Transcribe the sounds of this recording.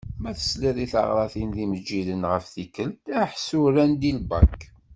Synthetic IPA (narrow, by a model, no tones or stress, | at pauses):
mæθə̥sliðˤiθə̰ʁɾˤɑθinðiməd͡ʒːilənʁəfθikːəlt̪æħsuɾænd̪ilbɑk